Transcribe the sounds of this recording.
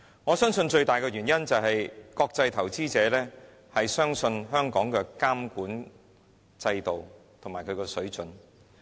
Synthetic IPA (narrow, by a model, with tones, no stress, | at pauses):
ŋɔː˨˧sœː˥ŋsɵ˧nt͡ʃɵ˧ɥt̪aː˨jkɛː˧ɥyː˨˩njɐ˥nt͡sɐ˨wɦɐ˨jkɔː˧k̚t͡sɐ˧jt̪ʰɐ˨˩wt͡siː˥t͡sɛː˨˧˥lɛː˥ | hɐ˨jsœː˥ŋsɵ˧nɦœː˥ŋkɔː˨˥ŋkɛː˧kaː˥mkuː˨˥n | t͡sɐ˧jt̪o˨wt̪ʰŋmaː˨˩jkʰɵ˨˧kɛː˧sɵ˨˥ɥt͡ʃɵ˨˥n